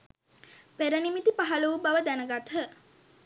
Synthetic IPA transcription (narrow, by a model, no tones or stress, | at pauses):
peɾənimit̪ipaɦaləubaʋəd̪ænəɡat̪ʰə